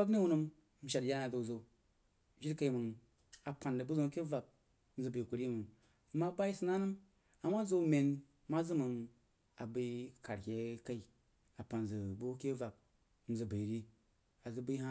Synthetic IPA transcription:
a˦kni˦wu˦nɨ˧m˦ | m̩˦ʃa˨dja˦na˨zo˨zo˨ | ʒi˦ɾka˧i˦mɨ˨ŋ | a˨pa˨ndə˨bɨ˦zo˦ke˦va˨b̩̚˦ | zɨ˨bə˨ku˨ɾi˦mɨ˨ŋ˦ | ma˦ba˦i˦sɨ˦na˦nɨ˦m | a˨mːa˦zo˧mʲe˨n | ma˦zɨ˦mɨ˧ŋ | a̰˨bə˧ka˨ɾkʲe˨ka˦i˨ | a˨pa˨nzə˨bu˦ke˦va˨b̚ | m̩˦zɨ˨bə˨ɾi˦ | a˨zɨ˨bə˦ha˦

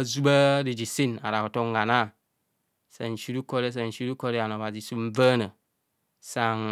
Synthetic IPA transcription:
a˦zu˦ba˦di˨d͡ʒi˨si˦na̰˨ɾa˨ko˨to˦ŋ˦ɡa˨na˦˨ | sa̰˨n˨t͡ʃi˦ɾu˦ko˦ɾe˦s̬a˨n̩˨ʃi˦ɾu˦ko˦ɾe˦a˨no˨ba˨zi˨su˦m̩˦və˦nə˨ | sa˨ŋ

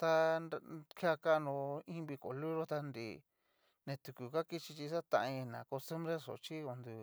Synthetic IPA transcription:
t̪a˧n˧kʰja˧ka˦˧nõ˧ĩ˦˧βi˧ko̰˨lu˦ɾo˦t̪a˧nd̪ḭ˧˨ | nẽ˧t̪u˨ku˨ka˦ki˦t͡ʃi˧t͡ʃi˧sa˦t̪ã̰˧ʔi˧nã̰˨ko˧st̪u˦mbɾe˦so̰˨t͡ʃi˦o˧nd̪u˧

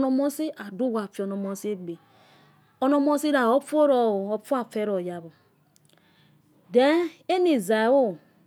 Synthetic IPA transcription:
no˨mo˦si˦ʔa˨du˦ɡʷa˨fi˨o˨no˨mo˦si˦bi˨ | o˨no˦mo˦si˦ɾa˨o˦fo˦ɾo˨˦fu˦a˨fe˦ɾo˨ja˨bo˨ | de˦ne˦ni˨za˨wo˦

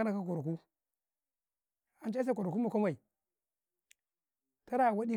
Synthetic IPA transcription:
a˦na˨ka˦k̬o˨ɾku˦ | a˨n˦t͡ʃa˦a˦ku˨ɾku˦ma˨ka˦ma˨i˨ | ta˦ɾa˦˨wa˦di˦

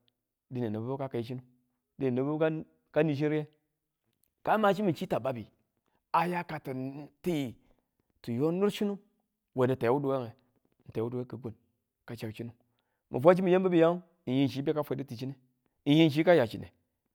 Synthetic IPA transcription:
di˨ni˨nu˨bbo˦ka˦ka˨ji˦t͡ʃi˦nu˦ | di˨ni˨nu˨bbka˦ | ka˦ni˨ʃ̬i˦ɾje˦ | ka˦ma˨t͡ʃi˦mi˨t͡ʃi˦ta˨ba˦bi˨ | a˨ja˦ka˨ta˨n˨˦ti˦i˨ | tu˨jo˦nu˦ɾʃi˦nu˦ | we˨di˨ta˨˦wu˦du˨we˦ŋe˨ | n̩˨ta˨˦u˦du˨we˦kə˨ɡu˨n | ka˨t͡ʃa˨kt͡ʃi˦nu˦ | mʔi˨fʷa˦t͡ʃi˦mi˨je˦bə˦bi˦ja˦u˦ | ni˨ji˦n˨ʃi˦be˦ka˦fe˨˦di˦ti˨t͡ʃi˦ne˨ | n̩˨ji˦n˨ʃ̬i˦ka˦ja˨t͡ʃi˨nḛ˨

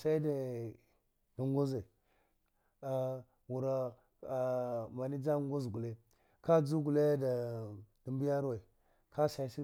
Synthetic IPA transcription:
sa˦i˦da˨ | du˨ŋɡo˦za˨ | a˨ | wu˨ɾa˨ | ma˨ni˦d͡za˦ŋɡu˦zɡu˨le˦ | ka˦d͡zu˦ɡu˨le˦da˨di˨mbi˦ja˦ɾwa˨i˨ | kʰa˦sa˨i˦si˦

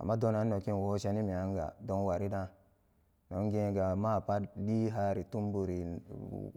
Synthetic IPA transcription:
a̰˨mːa˦dõ˦na˨˦nː˦o˨ki˦n˨wo˦ʃa˦ni˦mi˨a˨˦ŋ˦ɡa̰˨do˦nwa˨ɾi˦dã˦ | no˨˦ŋ˦ɡẽ˦ɡa˨ma˦˨pa˦di˦ɦa˦ɾi˨tu˦mbu˨ɾi˨

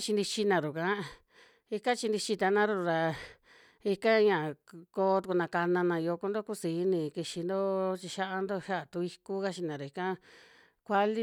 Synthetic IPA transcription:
t͡ʃi˧nd̪i˧t͡ʃi˧nã˨ɾu˨kã˨˦ | i˧kã˦t͡ʃi˧nd̪i˧t͡ʃi˧t̪a˧nã˦ɾu˧ɾa˧ | i˧kã˦ɲã˨ko˧˦t̪u˧ku˧nã˧ka˧nã˧nã˧jo˧ku˧˦nd̪o˦ku˦siː˨˦nĩ˧˨ki˧ʃi˧nd̪o˦t͡ʃi˧ʃa˦ʔa˧nd̪o˦˧ʃa˦ʔt̪u˧i˧ku˦ka˦t͡ʃi˧nã˨ɾu˨i˧kã˦ | kʷa˧li˦

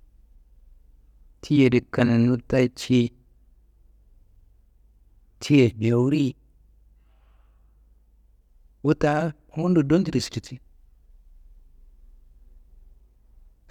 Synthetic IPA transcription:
tʰi˦je˨di˨ka˨na˨nu˦ta˦i˦t͡ʃi˦ | tʰi˦e˨ɲa˨wu˦ɾi˦ | wu˦ta˦ | wu˦n˦du˨do˦nti˦˨ɾi˨si̥˨ti˨ti˦

